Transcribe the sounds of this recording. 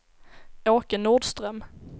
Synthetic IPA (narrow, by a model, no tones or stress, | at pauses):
oːkənuɖst̪ɾœm